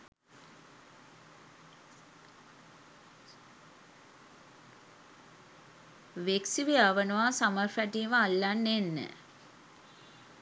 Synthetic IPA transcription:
ʋeksiʋeaʋənəʋasamərfæʈiːməalːanːenːə̰

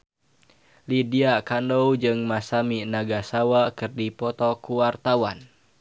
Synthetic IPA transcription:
lidiakandɔwd͡ʒɨŋmasaminaɡasawakɨrdipɔt̪ɔkuwart̪awan

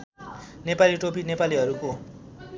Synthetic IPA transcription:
nepaliʈopinepaliɦʌɾuko

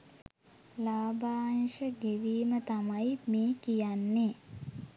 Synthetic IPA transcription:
laːbaːŋʃəɡeʋiːmət̪amajmeːkijanːe

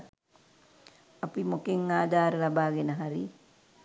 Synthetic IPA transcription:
apimokeŋːaːd̪aːɾəlabaːɡenəɦaɾḭ

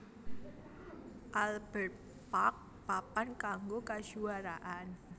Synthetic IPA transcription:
ʔalbət̪̚ | pak̚ | papankaŋɡokad͡ʒuaɾaʔan

